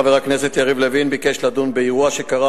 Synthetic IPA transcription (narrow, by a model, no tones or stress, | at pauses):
veakneset̪jaʁivlevinbikeʃlad̪unbeiʁuaʃekaʁa